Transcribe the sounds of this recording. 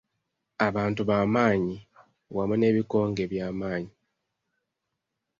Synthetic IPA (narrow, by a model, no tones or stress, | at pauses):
aβaːntuβaːmaːɲi | wamune̞ːβiko̞ːŋɡe̞βjaːmaːɲi